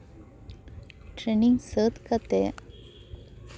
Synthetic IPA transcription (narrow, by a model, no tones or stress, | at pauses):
ʈɾeniŋɡsət̪kat̪e